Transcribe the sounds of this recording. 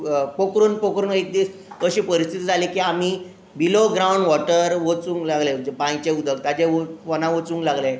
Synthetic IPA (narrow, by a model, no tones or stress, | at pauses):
pokɾuːnpokɾuːnek̚d̪iːskəɕiːpəɾist̪ʰit̪iːd͡zʱalikiam̤i | biloɡɾawɳɖʋɔʈəɾʋot͡sũːŋklaɡled͡ʑepãjt͡ɕeud̪ʱək̚t̪ad͡ʑeofɔnãʋot͡sũŋklaɡle